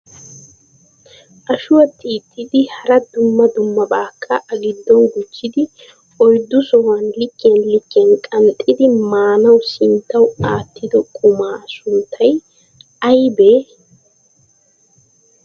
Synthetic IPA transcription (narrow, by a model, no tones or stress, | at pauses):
ʔɐʃʊwɐt̪ʰʼiːt̪ːɪd̪ɪhɐɾɐd̪ʊmːɐd̪ʊmːɐbaːkʰːɐʔɐɡɪd̪ːɔnɡʊt͡ʃːɪd̪ɪ | ɔjd̪ːʊsɔwɐnlɪkːɪjɐnlɪkːɪɐnkʼɐnt̪ʼːɪd̪ɪmaːnɐwsɪnt̪ːɐwaːt̪ːɪd̪ɔkʼʊmaːsʊnt̪ʰːɐj | ɐjbeː